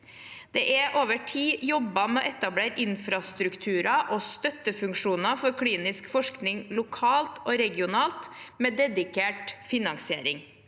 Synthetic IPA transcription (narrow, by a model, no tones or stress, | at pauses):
d̪̥eːʔɛʔoːʋəʈʰiːjɔbɑmɛoːʔɛt̪ɑbleːɾɪnfɾɑst̪ɾʉkt̪ʰʉːɾɑʔoːst̪œt̪əfʉŋkʂuːnɑfɔɾkʰɽiːnɪskfɔʂknɪŋlʊkʰɑːlt̪ʰoːɾɛɡɪʊnɑːlt̪meːd̪ɛd̪ɪkʰeːʈfɪnɑŋsɪḛːɾɪŋ